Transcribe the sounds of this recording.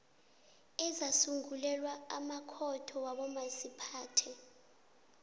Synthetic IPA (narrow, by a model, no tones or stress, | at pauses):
ɛzasuŋulɛlwaamakʰɔtʰɔwaɓɔmasipʰaːtʰɛ